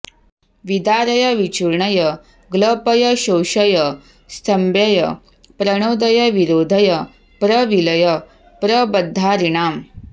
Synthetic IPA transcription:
ʋid̪aːɾɐjɐʋit͡ʃuɾɳɐjɐ | ɡlɐpɐjɐɕowʃɐjɐ | st̪ʰɐmbjɐjɐ | pɾɐɳ̃oːd̪ɐjɐʋiɾoːd̪ʱɐjɐ | pɾɐʋilɐjɐ | pɾɐbɐd̪ʱːaːɾiɳaːm

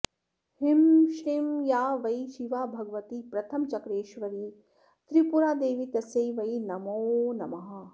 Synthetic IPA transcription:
himʃɾimjaːʋɐjʃiʋaːbʱɐɡʋɐt̪ipɾɐt̪ʰɐmt͡ʃɐkɾeːʃʋɐɾiː | t̪ɾipuɾaːd̪eːʋit̪ɐsejʋɐjnɐmoːnɐmɐɦɐ̆

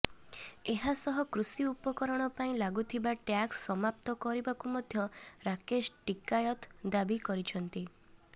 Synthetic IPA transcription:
eɦasɔɦɔkɾusiupɔkɔɾɔɽ̃ɔpaĩlaɡut̪ʰibaʈjaksːɔmap̚t̪ɔkɔɾibakumɔd̪ʱjɔɾakeʃʈikajɔt̪d̪abikɔɾit͡ʃʰɔnt̪i

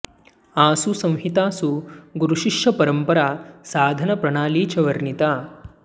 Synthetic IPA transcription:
aːsusɐ̃w̃ɦit̪aːsuɡuɾuʃiʂjɐpɐɾɐmpɐɾaːsaːd̪ʱɐnɐpɾɐɳaːliːt͡ʃɐʋɐɾnit̪aː

